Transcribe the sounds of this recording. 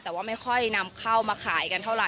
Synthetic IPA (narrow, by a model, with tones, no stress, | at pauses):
t̪ɛː˨˩˦waː˥˩ma˥˩jkʰɔ˥˩jna˧mkʰa˥˩wmaː˧kʰaː˩˦jka˧nt̪ʰa˥˩wɾa˨˩